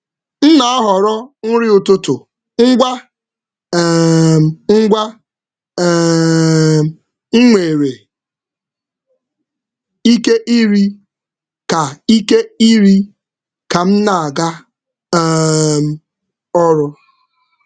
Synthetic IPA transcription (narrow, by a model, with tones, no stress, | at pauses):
n̩˦na˨a˦ɦɔ˨ɾɔ˦ŋ̩˦ɾɪ˦ʊ˨tʊ˦tʊ˨ | ŋ̩˦ɡʷa˦˨ | ŋ̩˦ɡʷa˦ | ŋ̩˦ŋʷe˨ɾe˨ | i˦ke˦ʔi˦ɾi˦ | ka˨i˦ke˦i˦ɾi˦ | ka˨m̩˦na˨a˨ɡa˦ | m̩˨ | ɔ˦ɾʊ˦